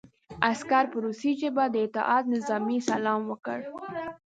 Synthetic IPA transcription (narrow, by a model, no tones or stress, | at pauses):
askaɾpəɾusid͡ʒebad̪əɪt̪ɪʔɑt̪̚nɪzɑmisalɑmwəkəɽ